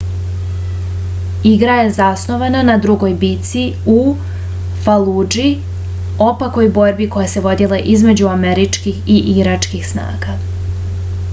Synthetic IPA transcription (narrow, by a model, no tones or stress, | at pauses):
iɡɾaje̞zasno̞ʋananad̪ɾuɡo̞jbit̪si | u | falˠud͡ʒi | o̞pako̞jbo̞ɾbiko̞jase̞ʋo̞d̪ilˠaʔizme̞d͡ʑuameɾit͡ʃkixiʔiɾat͡ʂkixsna̰ːɡa